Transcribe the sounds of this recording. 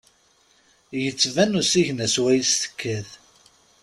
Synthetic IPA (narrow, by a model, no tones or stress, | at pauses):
jət͡sːvænusiʝnæswæjst̪ə̥kʰːəð